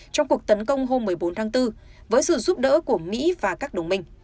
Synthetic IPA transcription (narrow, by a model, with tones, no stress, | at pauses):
t͡ɕɔ˧wŋ͡mku˨˩ək̚t̪ə˨˦nkə˧wŋ͡mɦo˧mːɨ˨˩əjɓo˨˦nt̪ʰaː˨˦ŋt̪ɨ˧vəː˨˦jsɨ̰˧˨zu˦˥p̚ɗə̰ː˧˥ku˧˩əmḭ˧˥vaː˨˩kaː˦˥k̚ɗə˨˩wŋ͡mmï˨˩ŋ̟